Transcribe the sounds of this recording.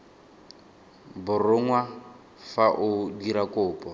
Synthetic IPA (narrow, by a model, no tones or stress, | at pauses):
bʊrʊŋwa | faʔʊdiɾakʼʊːpʼɔ